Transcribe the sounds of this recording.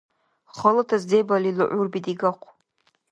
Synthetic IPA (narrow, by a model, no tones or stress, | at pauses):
χəlɨtʰazd͡zejbalilɨʔʷʊrbidiɡaqʷʰ